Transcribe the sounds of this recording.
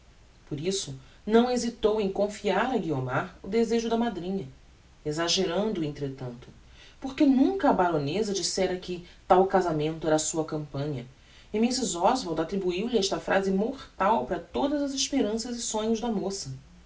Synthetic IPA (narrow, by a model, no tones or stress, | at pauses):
poɾisʊ | nɐ̃w̃ezit̪owẽj̃kõfiaɾɐɡiomaɾʊd̪ezeʒʊd̪ɐmad̪ɾĩɲɐ | ezaʒeɾɐ̃nd̪ʊẽnt̪ɾet̪ɐ̃nt̪ʊ̥ | poɾkenũkɐːbaɾõnezɐd͡ʒisɛɾɐkɪt̪awkazamẽnt̪ʊɛɾɐsuɐkɐ̃mpɐ̃ɲɐ | ɪmisɪzɔzvaɾd̪at̪ɾibuiwlɪɛʃt̪ɐfɾʔazɪmoɾt̪awpɾɐt̪od̪ɐzɐzeʃpeɾɐ̃sɐzɪsõɲʊʒd̪ɐmosɐ